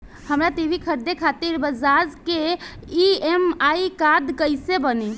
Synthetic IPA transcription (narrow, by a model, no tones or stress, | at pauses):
həmɾat̪ibʱikʰəɾd̪ekʰat̪iɾbəd͡ʒad͡ʒkeiemaikad̪kəjsebəni